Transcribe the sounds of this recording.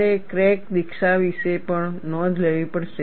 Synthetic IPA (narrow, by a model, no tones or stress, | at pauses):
ekɾek̚d̪ikʃaʋiʃepəɳnɔd͡ʒʱləʋipəɽʃe